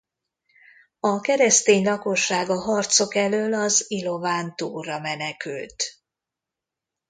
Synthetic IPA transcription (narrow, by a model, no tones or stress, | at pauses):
ɒkɛɾɛst̪eːɲlɒko̞ʃːaːɡɒɦɒrt̪so̞kɛløːlɒzilo̞vaːnt̪uːrɒmɛnɛky̰lt̪